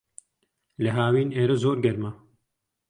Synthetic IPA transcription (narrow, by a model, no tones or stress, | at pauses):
lɛɦaːwiːneːɾɐzoːɾɡɐɾmɐ